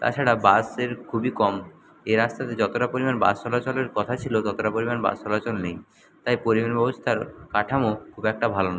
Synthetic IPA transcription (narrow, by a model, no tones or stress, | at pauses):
t̪a̰t͡ɕʰaɽabaseɾkʰubikɔm | eɾast̪ʰat̪ed͡ʑɔt̪oʈapoɾimanba̰st̪ɔlat͡ɕoleɾkɔt̪ʰat͡ɕʰilot̪ɔt̪oʈapoɾimanba̰st̪ʰɔlat͡ɕolnej | t̪ajpoɾimanbɔbost̪ʰaɾkaʈʰamokʰubɛk̚ʈabʱalon